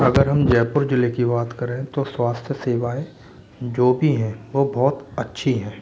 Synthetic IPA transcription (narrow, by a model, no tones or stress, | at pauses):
ɐɡəɾɦɐmd͡ʒɛːpʊɾd͡ʒʊlekibaːt̪kɐɾẽt̪oswaːst̪ʰjəseːʋaːe | d͡ʒoːbʱiɦɛ̃ːʋobɔːt̪ɐtːʃʰiɦɛ̃ː